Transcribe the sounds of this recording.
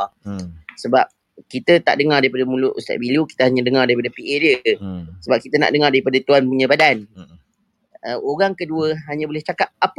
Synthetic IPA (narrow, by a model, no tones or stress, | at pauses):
səbap̚ | kit̪ət̪a̰ʔdəŋardaɾipadamulʊʔust̪a̰ʔ̚biluki̥t̪əɦaɲə̃dəŋardaipadapiʔediəsəbap̚kit̪əna̰ʔdəŋardaɾipadat̪uanpəɲəbadan | əoɣaŋkəduəɦaɲə̃bolɛht͡ʃakap̚ap